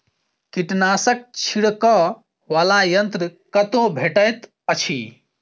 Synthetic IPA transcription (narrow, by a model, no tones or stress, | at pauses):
kiʈnasək̚t͡ʃʰiɽkə | ʋalajənt̪ɾəkət̪obʱeʈəjt̪ | ət͡ʃʰi